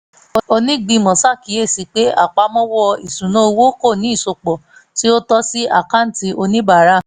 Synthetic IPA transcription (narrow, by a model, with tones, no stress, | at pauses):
o˧nĩ˦ɡ͡bĩ˧mɔ̃˨sa˦˨ki˨˦e˦˨si˨˦k͡pe˦a̰˦˨k͡pa˧˦mɔ̃˦wɔ˦˧i˨sũ˨nõ˦o˧wo˦ko˦˨nĩ˨˦i˦˨so˧k͡pɔ˨ti˦o˦tɔ˦si˦a˦˨ka˦n̩˦ti˧ʔo˧nĩ˦ba˦˨˦ɾa˦˨